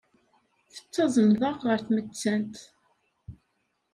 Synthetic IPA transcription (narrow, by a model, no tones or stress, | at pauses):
θə̥t͡sːɑzˤənðˤəʁʁəɾθmət͡sːænt̪